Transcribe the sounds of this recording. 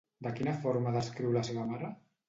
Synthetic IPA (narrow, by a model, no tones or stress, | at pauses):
d̪əkinafɔɾmaðəskɾiwɾlaseβamaɾa